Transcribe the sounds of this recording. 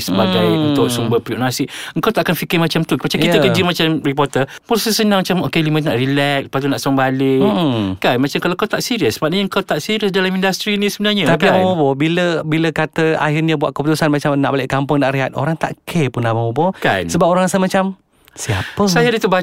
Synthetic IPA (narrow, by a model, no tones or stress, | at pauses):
səbaɡajunʊksumbəpɾioʔnasɪʔəŋkawt̪aʔkanfikəmat͡ʃamt̪umat͡ʃakit̪əkəd͡ʒimat͡ʃamrip̬ɔrt̪əposɛsənaŋmat͡ʃamokelimə̃t̪naʔrilɛk̚əpat̪̬unaʔsɔŋbalɪkanmat͡ʃamkalakawt̪aʔsiɾiəsbat̚ɲəəŋkawt̪aʔsiɾiəsdalamindast̪ɾinisəbənarɲə̃t̪apiabamobɔbiləbiləkat̪əa̰ɦirɲəbuaʔkəput̪usanmat͡ʃamnaʔbalɪʔkampʊŋnaʔriɦat̪o̰ɾaŋt̪a̰ʔkʰepʊnabamobɔka̰nnsəbap̚oɾaŋasamat͡ʃam | siapəsajadət̪uba